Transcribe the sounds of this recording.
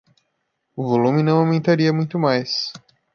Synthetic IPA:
ʊvolũmɪnɐ̃w̃awmẽnt̪aɾiɐmũj̃t̪ʊmajs

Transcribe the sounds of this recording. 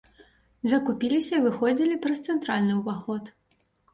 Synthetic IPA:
zɐkupʲilʲisʲɐivɨxɔd͡zʲilʲipɾɐst̪sɛnt̪ɾalʲnɨuvaxɔt̪

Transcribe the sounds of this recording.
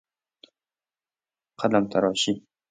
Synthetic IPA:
qʰad̪amt̪ʰaɾɒːʃi

